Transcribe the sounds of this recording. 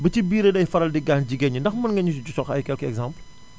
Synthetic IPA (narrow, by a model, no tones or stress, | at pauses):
bɐt͡ʃibiːɾedɐjfɐɾɐldiɡaːnd͡ʒiɡɐɲindɐxmɐnŋɡɐɲus̬d͡ʒusɔxɐ̰jkɛlkɛɡzãmpl